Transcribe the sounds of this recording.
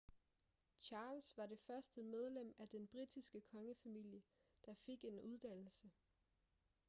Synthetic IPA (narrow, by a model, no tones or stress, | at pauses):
t͡ɕʰɑ̈ːlsʋɑ̈ɾ̥e̝fɶɐsd̥əmeð̞ˠlem̰æd̥enb̥ʁid̥isɡ̥əkʰɒ̽ŋəfæmil̰jə | d̥ɑ̈fe̝ɡ̥e̝nuðˠd̥æn̰l̩sə